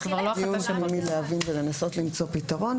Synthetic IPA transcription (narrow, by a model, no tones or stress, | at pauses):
kvalkijunmmidlehavinvele̞naso̞tlimt͡so̞pitaʁo̞n